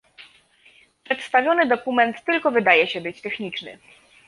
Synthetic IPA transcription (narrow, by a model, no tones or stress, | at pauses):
pʂɛt̪st̪avʲjɔnɘd̪ɔkumɛnt̪ːɘlkɔvɘd̪ajɛɕɛbɘt͡ɕt̪ɛxɲit͡ʂnɘ̰